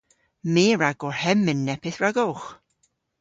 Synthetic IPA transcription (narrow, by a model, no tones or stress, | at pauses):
miːɹaɡɔɹhɛmɨnːɛpʰɪθɹaɡɔlχ